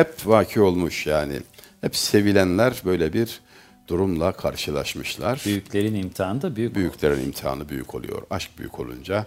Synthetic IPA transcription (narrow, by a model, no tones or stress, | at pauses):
hɛpvaːcʰio̞lˠmuʃjaːnɪ̰ | hɛpse̞vilʲænlʲæɾbø̞jlʲɛbiɾ | d̪̥uɾumlˠakʰaɾʃɯlˠa̰ʃmɯʃlˠaɾ̥byjycʰʲlʲe̞ɾinimt̪ʰiaːnɯd̪abyjybyjycʰlʲe̞ɾinḭmt̪ʰia̰ːnɯbyjy̰cʰo̞lˠṵjo̞̰ɾaʃk̚by̰jy̰kʰo̞lˠṵnd͡ʒa